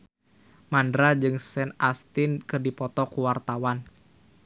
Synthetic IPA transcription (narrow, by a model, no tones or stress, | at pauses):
mandɾad͡ʒɨŋsɛnast̪inkɨrdipɔt̪ɔkuwart̪awan